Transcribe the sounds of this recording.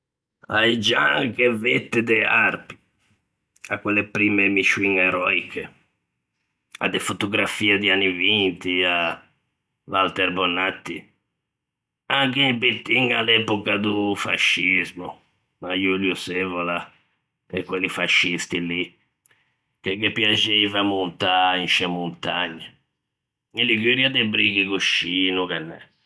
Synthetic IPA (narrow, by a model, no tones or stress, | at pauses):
a̰id͡ʒaŋkevet̪ːɪd̪ɛarpi̥ | a̰kːwɛlːepɾimemit͡ʃːuiŋɛɾɔikʰe | a̰d̪ɛfot̪uɡɾafiːad̪ianːivint̪ia | valt̪ɛɾbɔnat̪ːi | aŋkibit̪ːiŋalɛpɔkad̪ufa̰ʃːizmu | majuljusevɔla | ɛkwɛlifaʃːist̪ili | kɛkepːjad͡ʒeivamunt̪ainʃɛmunt̪aɲːa | ilːiɡyɾjad̪ebɾiɡikoʃːiːnukɛnːɛ